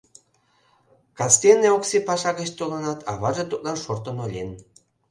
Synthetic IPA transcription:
kɑst̪enːeoksepɑʃɑɣə̆t͡ɕt̪ulənɑt̪ʰɑ̰βɑʒet̪ut̪lɑnʃort̪ə̆nolʲen

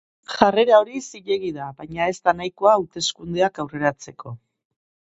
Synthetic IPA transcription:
ʝare̞ɾao̞ɾisiʎe̞ɣiðaβajɲae̞st̪anajko̞aut̪e̞skund̪e̞akawre̞ɾat͡se̞ko̞

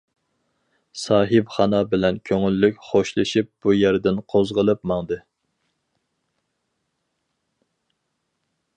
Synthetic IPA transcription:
sɑːɦɨpχɑnɑbɪlɛnkʲʰøŋylːykʲχoʃlˠɨʃip̚b̥ujæɾd̪ɪnqʰozʁəlˠɨpmɑŋd̪ɨ

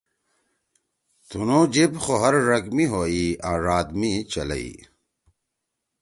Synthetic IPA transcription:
t̪unod͡ʑebxoɦɐɾːɐɡmiɦoːiaːɾaːd̪mit͡ɕɐlɐ̰ḭ

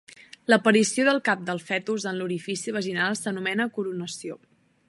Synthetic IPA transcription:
ləpəɾisioðəlˠkap̚d̪əlˠfɛt̪uzənluɾifisiəβ̞əʒinalˠsənumɛnəkuɾunəsio

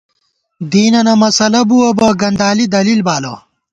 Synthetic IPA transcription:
d̪iːnɐnɐmɐsɐlɐbuɐbɐɡɐnd̪aːlid̪ɐlilbaːlo̰

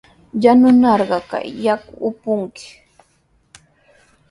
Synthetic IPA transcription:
janʊnɑɾɢɑka̰jːakʊʊpʊŋkɪ̥

